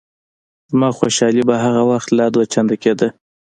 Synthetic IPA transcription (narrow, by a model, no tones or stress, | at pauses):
zmɑxoʃɑlibaɦaɣawaxt̪lɑd̪wat͡ʃand̪aked̪ə